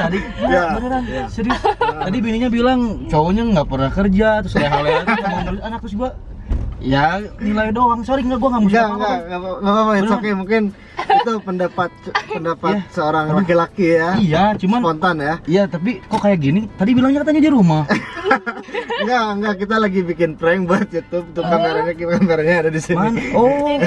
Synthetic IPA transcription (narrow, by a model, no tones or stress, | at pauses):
t̪adi | ɡabaɾɾaŋasəɾɪsd͡ʒadibiniɲabilaŋt͡ʃowoɲaŋɡapərnahkərd͡ʒat̪ɾʊsajaɦalaamaanaɾʊsanak̚t̪ʊsɡua | ijanilajdoaŋsoɾɪŋɡaʔɡuaŋamusɡaaŋɡaaŋɡaŋɡapapaiokɛmuŋkɪn | it̪upəndapat̪̚pəndapat̪̚səoɾaŋlakilakijaijat͡ʃumanpɔnt̪anjaijat̪ap̬ikokajaʔɡinɪt̪adibilaŋɲakat̪̬aɲadiɾumah | ŋɡaŋɡakit̪alaɡibikɪnpɾɛŋbuat̪̚jut̪ʊb̚t̪ukameɾaɲakikameɾaɲaːdadisimnɔ